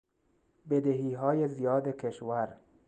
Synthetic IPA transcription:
bed̪eɦiːɦɒːjezijɒːd̪ekʰeʃwæɾ

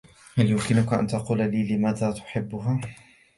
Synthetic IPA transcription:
haljʊmkɪnʊkaʔa̰nt̪ɑquːlaliːlɪmaːðaːt̪ʊ̥ħɪbːʊɦaː

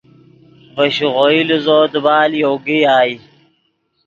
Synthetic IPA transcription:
bɐɕuʁoiluzoːd̪ubaːljoːɡiaːi

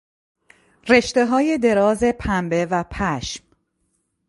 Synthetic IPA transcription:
re̞ʃt̪e̞ɦɒːje̞d̪e̞ɾɒːze̞pʰæmbevæpʰæʃm

